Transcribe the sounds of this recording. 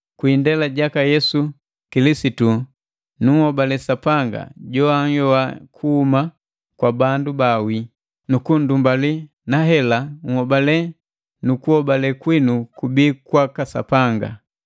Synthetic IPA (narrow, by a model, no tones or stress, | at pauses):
kwindɛlaɟakajɛsu | kilisitu | nuŋhɔbalɛsapaŋɡa̰ɟɔaŋ̩jɔakʰuhuma | kwabandubawi | nukundumbali | naɦɛlaŋ̩hɔbalɛ | nukuhɔbalɛkwinukubikwakasa̰paŋɡa̰